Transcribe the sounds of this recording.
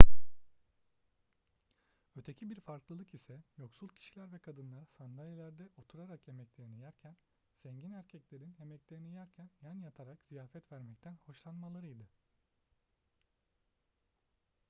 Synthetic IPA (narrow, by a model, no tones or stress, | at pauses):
ø̞t̪ʰecʰibiɾfaɾklˠɯlˠɯkisɛjo̞ksulˠcʰi̥ʃilʲæɾvɛkʰad̪ɯnlˠaɾsand̪alʲjelʲæɾd̪ɛʔo̞t̪ʰuɾaɾakje̞mɛclʲe̞ɾinijæɾcʰæn | z̥ɛɲɟinæɾcʰɛclʲe̞ɾinje̞mɛclʲe̞ɾinijæɾcʰænjanjat̪ʰaɾakz̥ijaːfɛt̪væɾmɛc̚t̪ʰænho̞ʃlˠanmalˠaɾɯjd̪ɯ